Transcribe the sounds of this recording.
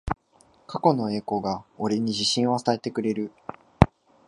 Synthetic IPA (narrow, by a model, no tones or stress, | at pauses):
kako̞no̞e̞ːko̞ːɡao̞ɾeɲ̟iʑiɕĩɰ̃wasae̞t̪e̞kɯ̟ɾe̞ɾɯ̟